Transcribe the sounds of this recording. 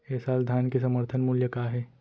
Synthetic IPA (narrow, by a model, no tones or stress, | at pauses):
ɛːsaːld̪ʱaːnkes̬əməɾt̪ʰənmuljəkaːɦeː